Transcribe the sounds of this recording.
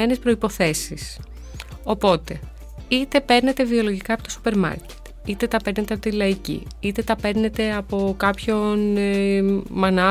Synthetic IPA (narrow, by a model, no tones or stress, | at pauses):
ene̞spɾo̞ipo̞θe̞sis | o̞po̞t̪e̞ | it̪e̞pe̞ɾne̞t̪e̞vio̞lo̞ʝikɐpo̞t̪osu̥pe̞ɾmɐ̰ɾce̥t̪ | it̪e̞t̪ɐpe̞ɾne̞t̪e̞ɐpot̪ilɐicḭit̪e̞t̪ɐpe̞ɾne̞t̪e̞ɐpo̞kɐpço̞nemɐnɐ